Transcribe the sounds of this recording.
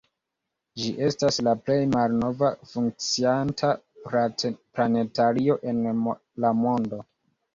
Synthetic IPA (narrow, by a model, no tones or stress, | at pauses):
d͡ʒiʔe̞staslaple̞jmalno̞vafuŋk̚t͡siantʰa | plane̞taɾio̞ʔe̞n | lamo̞ndo̞